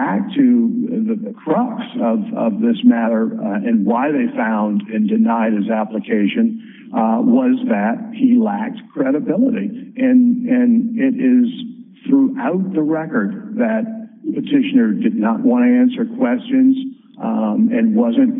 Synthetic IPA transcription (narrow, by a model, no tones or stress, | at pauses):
æk̚tʰɨðɨðɨkʰɹ̥ɑksʌvʌ̰vðɪsmæɾə˞ɨ̃nwaɪðeɪfãʊ̃ndɨ̃ndɨnaɪɾ̚ɨzæpləkʰeɪʃɨ̃n | wʌzðɨt̚hilæk̚tkʰɹ̥ɛɾɨbɪlˠəɾiɨ̃nɨ̃nɪɾɪz̥θɹuʔaʊt̪̚ðəɹɛkə˞d̪̚ðɨt̚pʰɨtʰɪʃɨnə˞dɨdⁿnəʔwɑ̃ɾ̃ɨæ̃nsə˞kʰw̥ɛst͡ʃɨ̃nz | ɨ̃nwʌzɨ̃nt̚